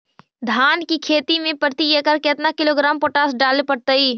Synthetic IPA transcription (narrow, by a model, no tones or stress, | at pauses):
d̪ʱaːnkikʰeːt̪imẽpəɾt̪ijekəɾkeːt̪nakɪloːɡɾaːmpoːʈaːsɖaːlepəɽt̪əiː